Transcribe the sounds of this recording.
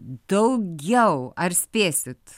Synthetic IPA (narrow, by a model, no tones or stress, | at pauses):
d̪̥oʊɡjaʊæːɾspeːsət̪